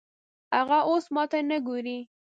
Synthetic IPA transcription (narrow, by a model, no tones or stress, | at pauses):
haɣaʔosmɑt̪anəɡoɾi